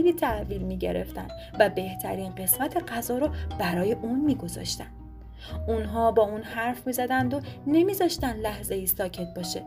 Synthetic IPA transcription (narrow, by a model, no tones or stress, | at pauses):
liːt̪ʰæhviːlmiːɟḛɾe̞̰ft̪æ̰nd̪̥ | væbe̞ht̪ʰæɾiːnɢe̞smæt̪ʰe̞ɢæzɒːɾob̥æɾɒːjeʔuːnmiːɡo̞zɒ̰ʃt̪ænd̪̥ | unɦɒːbɒːuːnhæɾfmiːzæd̪ænd̪one̞miːzɒːʃt̪ænd̪læhze̞iːsɒːcʰe̞t̪̚bɒːʃḛ